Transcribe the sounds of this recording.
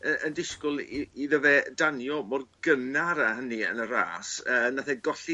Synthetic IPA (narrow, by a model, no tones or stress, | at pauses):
əəndɪskʊlˠiiðəvɛdanjɔmɔrɡ̥ənaɾaɦəniə̰nəɾa̰ːsəːnaθɛɡɔɬi